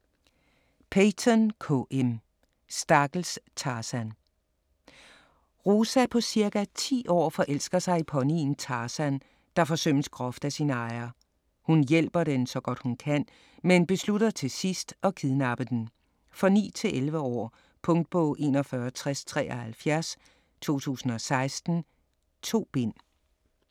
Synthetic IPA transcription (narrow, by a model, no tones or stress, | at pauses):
pʰet͡sʰɒnkʰo̰ʔem | sd̥ɑ̈ɡ̥l̩st͡sʰɑːsæn | ʁosæpʰɒ̽siɐɡ̥æt͡sʰḭːʔɒ̰ːfɒ̽ʔel̰sɡ̥ɐsɑ̈ɪipʰɒ̽nint͡sʰɑ̈ːsæn | d̥ɑ̈fɒ̽søn̰əsɡ̥ʁɒfd̥æsinɑ̈ɪɐ | hunjel̰b̥ɐd̥ensɒ̽ɡ̥ɒ̽d̥hunkʰæn̰ | menb̥e̝sluɾɐt͡sʰe̝sisd̥ɒ̽kʰiðˠnɑ̈b̥əd̥en | fɒ̽nḭːt͡sʰe̝lʔelʋəɒ̰ː | pʰɔ̽ŋd̥̚b̥ɔʔe̝̰ːnɒfɶːɐt͡sʰʁɛst͡sʰʁɛ̰ːɒhælfjæɐs | t͡sʰo̝̰ːt͡sʰṵːsn̩ɒ̽sɑ̈ɪsd̥n̩ | t͡sʰo̝̰ːb̥e̝n̰